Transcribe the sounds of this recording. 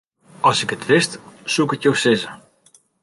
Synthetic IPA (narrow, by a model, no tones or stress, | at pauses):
ɑlˠsɪkətʋɪstsukɪkjowsɪzə